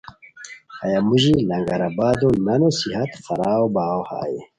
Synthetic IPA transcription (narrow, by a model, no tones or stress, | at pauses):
ajamuʒilɐŋɡaɾabaːd̪onɐnosihɐt̪xaɾaːwbaːwha̰ːjḭ